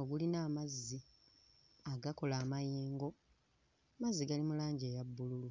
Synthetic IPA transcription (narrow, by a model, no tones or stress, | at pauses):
oɡulinaːmazːi | aɡako̞laːmajiːŋɡo̞ | mazːiɡalimulaːɲɟe̞ːjabːululu